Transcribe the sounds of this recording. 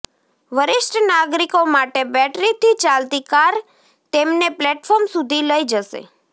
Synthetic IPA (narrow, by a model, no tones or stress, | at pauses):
ʋəɾɪʃʈənaɡɾikomaʈebɛʈɾit̪it͡ʃalt̪ikaɾ | t̪emneplɛʈfɔɾmsud̪ʱiləid͡ʒəʃḛ